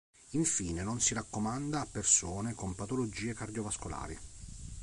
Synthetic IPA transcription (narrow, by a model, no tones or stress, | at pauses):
iɱfiːnenonsiɾakːomand̪aːpːersoːnekompat̪olod͡ʒiːekard̪jovaskola̰ːɾḭ